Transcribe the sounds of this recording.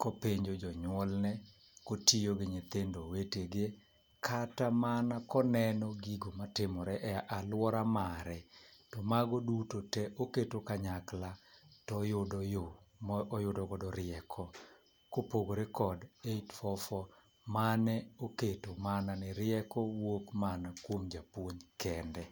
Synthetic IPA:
kopeɲd͡ʒod͡ʒɔɲwɔlnɛ | kotijoɡɪɲet̪endoweteɡe | kʰatamanakɔnɛnɔɡiɡomatɪmɔɾɛʔɛʔalwɔɾamaɾɛtɔmaɡɔdutotɛʔoketokaɲaklatɔjʊdjo | jʊdɔkɔdɔɾɪɛkʰɔ | kopoɡoɾekɔdeitfɔfɔ | manɛoketomananɪɾɪjɛkɔwokmanakwomd͡ʒapwoɲkʰɛndɛ

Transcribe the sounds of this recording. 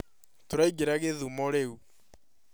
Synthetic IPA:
toɾaiɡeɾaɣeðumɔɾeu

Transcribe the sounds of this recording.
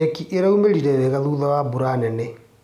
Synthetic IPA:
ekiʔeɾaumeɾiɾɛɾɛɣaðuːðawabuɾanɛnɛ

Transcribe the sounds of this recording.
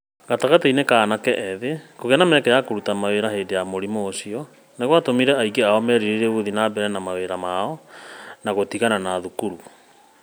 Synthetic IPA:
ɣataɣatainekaːnakɛʔɛðekoɣɛnamɛkɛjakoɾutamaweɾaɦeːdejamoɾimoːsiɔ | neɣwatomiɾɛaiɡeaɔmɛɾiɾeɾeuðinabɛɾɛnamaweɾamaɔnaɣotiɣananaðukuɾu

